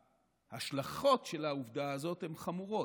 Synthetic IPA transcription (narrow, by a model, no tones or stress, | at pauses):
haʃlaχo̞tʃe̞lauvd̪aazo̞t̪he̞mχamuʁo̞